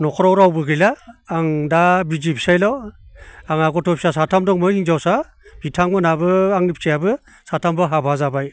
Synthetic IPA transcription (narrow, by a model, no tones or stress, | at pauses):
nɔkʰɔɾɔwɾawbɯɡɯjlaːŋdabizipsajlɔ | aŋaɡɔtʰɔp̚sasatʰamdɔŋmɯhiŋzawsa | b̥itʰaŋmɯnabɯaŋip̚sijabɯ | satʰambɯɦabazabaj